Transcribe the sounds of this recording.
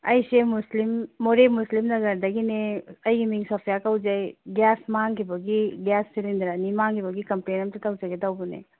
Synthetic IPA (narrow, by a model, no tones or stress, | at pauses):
ɐjsemuslimːoɾemuslimnɐɡɐɾd̪ɐɡineɐjɡimiŋsɔpʰijakawd͡ʒajɡjasmaŋkʰibɐɡiɡjasːilindɐɾanimaŋkʰibɐɡikɐmplenɐmtitawzaɡidawbunḛ